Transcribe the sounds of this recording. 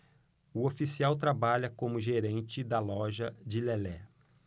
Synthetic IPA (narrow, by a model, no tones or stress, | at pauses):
ʊofisiawt̪̬ɾabaʎɐkõmʊʒeɾẽnt͡ʃɪd̪ɐlɔʒɐd͡ʒɪlɛlɛ